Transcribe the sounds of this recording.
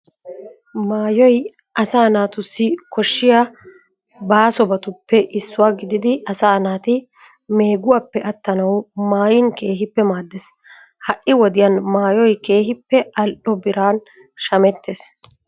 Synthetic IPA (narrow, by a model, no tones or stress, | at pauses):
maːjɔj | ʔɐsaːnaːt̪ʊsːɪkɔʃːɪja | baːsɔbɐt̪ʊpːɛʔɪsːʊwaːɡɪd̪ɪd̪ɪʔɐsaːnaːt̪ɪ | me̞ːɡʊwaːpːɛʔɐt̪ːɐnɐwmaːjɪnke̞ːɦɪpːɛmaːd̪ːes | hɐʔːɪwɔd̪ɪjɐnmaːjɔjke̞ːɦɪpːɛʔɐlʔɔbɪɾaːn | ʃɐmɛt̪ʰːes